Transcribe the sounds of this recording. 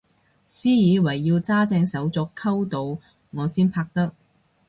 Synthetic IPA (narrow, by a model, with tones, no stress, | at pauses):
siː˥jiː˨˧wɐ˨˩jːiː˧wt͡saː˥t͡sɛː˧ŋsɐ˨˥wt͡sɔː˧kʰːɐ˥wt̪o˨w | ŋɔː˨˧siː˥npʰaː˧k̚t̪ɐ˥k̚